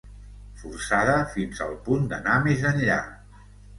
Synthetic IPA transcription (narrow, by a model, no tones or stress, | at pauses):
fursaðəfinzə̰lˠpund̪ənamezənʎa̰